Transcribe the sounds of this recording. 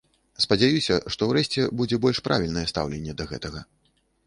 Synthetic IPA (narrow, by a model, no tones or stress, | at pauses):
spɐd͡zʲajusʲɐʂt̪ɔwɾɛɕʲt͡sʲɛbud͡zʲɛbɔlʲʂpɾa̰vʲilʲnɐjɛst̪a̰wlʲenʲːɛd̪ɐɣɛ̰t̪ɐɣɐ